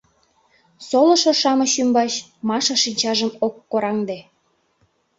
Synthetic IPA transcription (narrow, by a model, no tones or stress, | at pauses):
solɤ̆ʃŏʃɑmɤ̆ɕymbɑt͡ɕ | mɑʃɑʃinʲt͡ɕɑʒə̆mokːoɾɑŋd̪e